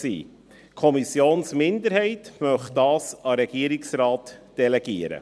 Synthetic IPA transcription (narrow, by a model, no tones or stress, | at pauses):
sḭː | kʰɔmisjoːnsmɪndəɾhɛɪt̪mœχtdɑːsɑɾɛɡ̥iːəɾɪksɾɑːt̪d̥ɛlɛɡ̥iəɾə̰